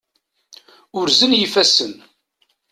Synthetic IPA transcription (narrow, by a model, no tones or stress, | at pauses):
ʊɾzənjifæsən